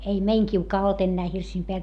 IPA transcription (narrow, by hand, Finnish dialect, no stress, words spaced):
ei ei meiŋ kiukɑː olt enːæː hirsiːm peæl